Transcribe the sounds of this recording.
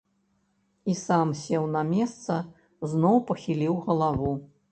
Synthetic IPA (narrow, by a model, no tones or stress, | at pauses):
isamsʲɛwnɐmʲɛst̪sɐ | znɔwpɐxʲilʲiwɣɐlˠavu